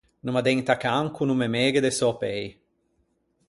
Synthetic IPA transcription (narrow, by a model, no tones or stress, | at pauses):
numad̪eɲt̪akaŋkunumemeːɡed̪esɔpej